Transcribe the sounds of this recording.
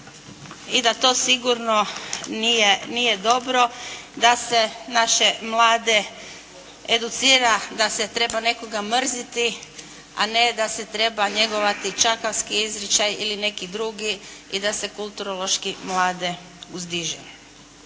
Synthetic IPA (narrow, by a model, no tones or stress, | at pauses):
id̪at̪o̞ːsiɡuɾno̞nijenije̞d̪o̞bɾo̞d̪ase̞naʃe̞mlaːd̪e̞ | ed̪ut̪siːɾad̪aset̪ɾe̞bane̞ko̞ɡamr̩zit̪i | a̰ne̞d̪ase̞t̪ɾe̞baɲe̞ɡo̞ʋat̪it͡ʃakaʋskiizɾit͡ʃajiline̞kid̪ɾuɡiid̪ase̞kulˠt̪uɾolˠo̞ʃkimlˠaːd̪e̞ | uzd̪iʒḛ